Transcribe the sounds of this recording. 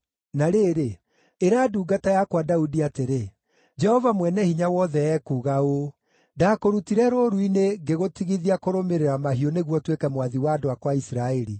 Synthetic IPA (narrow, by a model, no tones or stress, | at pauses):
naɾeːɾe | eɾaːduːɡatajakwadaudiateɾe | d͡ʒɛhɔvamwɛnɛhiɲawɔðɛɛkuːɣao | daːkoɾutiɾɛɾoɾuineɡeɣotiɣiðiakoɾomeɾeɾamaɦiɔneɣwɔtwekɛmwaðiwaːdoakwaisɾaɛɾi